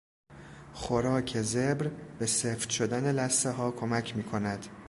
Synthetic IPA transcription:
χoɾɒːcʰe̞zebɾbe̞seːft̪ʃod̪æne̞læst̪eɦɒːkʰo̞mæcʰmiːkʰo̞næd̪̥

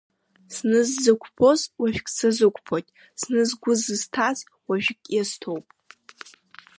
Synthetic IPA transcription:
snɨzːɨkʷʰʼpʰo̞zwaʒᶣkʼsazɨkʷʰʼpʰotʲʼ | snɨzɡʷʊzɨz̥tʰaz | waʒᶣkʲʼjaztʰo̞wpʼ

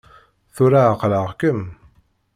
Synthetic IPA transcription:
θuɾaqləʁkəm

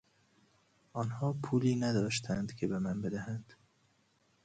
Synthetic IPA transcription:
ʔɒːnhɒːpʰuːliːnæd̪ɒːʃt̪ʰænd̪̥cʰe̞be̞mænbe̞d̪æhænd̪̥

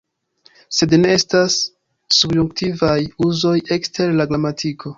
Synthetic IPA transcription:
se̞dne̞estasː | ubjuŋktivajuzo̞je̞kste̞ɾlaɡɾamatʰikʰo̞

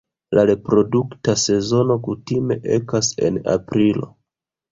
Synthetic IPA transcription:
laɾe̞pɾo̞duktase̞zo̞no̞kutime̞ʔe̞̰kase̞̰na̰pɾilo̞

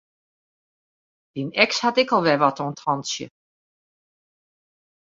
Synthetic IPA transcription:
d̥inɛkshatɪkɔlˠʋɛʋɔtʰɔntʰɔnsjə̰

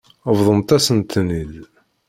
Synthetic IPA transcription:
əvðˤənt̪æsənt̪ʰnil

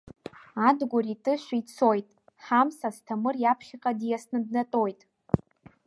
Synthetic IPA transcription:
adɡʷʊritʼɨʃʷᶣiit͡sʰo̞jtʼ | ħamsastʰamɨrjapʰχʲaqʼadjasnɨdnatʼo̞jtʼ

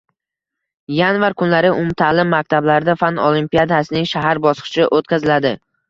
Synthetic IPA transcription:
janvaɾkʰʊnlaɾɪʔʊmt̪ʰalɪmːak̚ʲt̪ʰablaɾɪd̪afanolˠimpijad̪asɪnɪŋʃaɦaɾbɒsqʰɨ̥ʃɪʔot̪kʲazɪlad̪ɪ

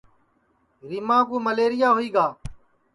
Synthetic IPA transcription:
ɾɪmãːkũːməleːɾɪjaːɦʊiːɡaː

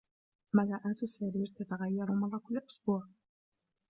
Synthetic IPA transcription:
malaːʔaːt̪sːaɾiːɾt̪at̪aɣajːɑɾʊmɑðˤːɑkʊlːʔʊ̥sbuːʕ

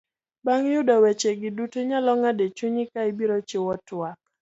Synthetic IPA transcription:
baŋjʊdɔwet͡ʃeɡɪdutoɲalɔŋadet͡ʃuɲɪkaibiɾot͡ʃewɔtwak̚

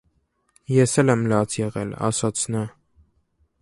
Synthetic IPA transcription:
jɛsɛlɛmlɑt͡sʰjɛʁɛ̰lɑ̰sɑt͡sʰnɑ

